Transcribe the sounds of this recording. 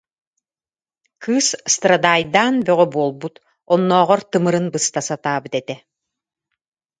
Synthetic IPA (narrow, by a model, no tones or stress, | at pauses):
kʰɯːsːt̪ɾad̪aːjd̪aːnbœʁœbuɔlˠbut̪ | ɔnːɔːʁɔɾt̪ɯmɯɾɯnbɯst̪asat̪aːbɯt̪ɛt̪ɛ